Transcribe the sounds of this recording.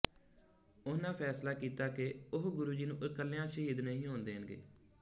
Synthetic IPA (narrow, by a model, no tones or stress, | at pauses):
ʊnãːpʰɛːslaːkiːt̪aːkeʊɦɡʊɾuːd͡ʒiːnũːʔkəlːjãːʃəɦiːd̪nəɦĩːɦõːnd̪eːɦənɡḛː